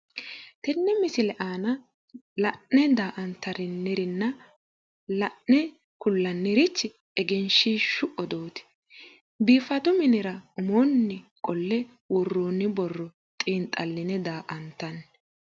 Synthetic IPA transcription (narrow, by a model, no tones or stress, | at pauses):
t̪ɛnːɛmɪsɪlɛʔaːnɐ | lɐʔnɛd̪aːʔɐnt̪ːɐɾɪnːɪɾɪnːɐ | lɐʔnɛ | kʊlːɐnːɪɾɪt͡ʃːɪ | ɛɡɛnʃiʃʊʔɔd̪oːt̪ɪ̥ | biːfɐt̪ʊmɪnɪɾɐʊmonːɪkʼɔlːɛ | wʊrːoːnɪbɔrːɔ | t̪ʼiːnt̪ʼɐlːɪnɛd̪aːʔɐnt̪ːɐn